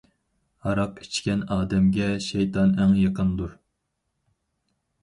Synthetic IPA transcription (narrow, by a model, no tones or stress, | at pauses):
hɑɾɑqi̥t͡ʃkʲɛnɑːd̪ɛmɡʲɛʃejt̪ʰɑnɛŋjɑqʰənd̪uɾ